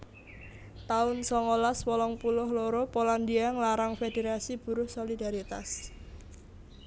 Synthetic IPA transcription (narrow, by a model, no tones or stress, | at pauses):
t̪aʊnsɔŋolaswɔlɔŋpulʊhloɾopoland̪iaŋlaɾaŋfedeɾasib̥ṳɾʊhsolidaɾit̪a̰s